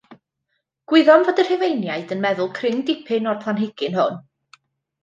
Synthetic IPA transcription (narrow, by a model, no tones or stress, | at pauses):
ɡ̥wɪðɔmvədər̥hɪvejnjaɨdənmɛðʊlˠkʰrɪŋdɪpʰɪnɔrpʰlˠanɦɪɡ̥ɪnhʊn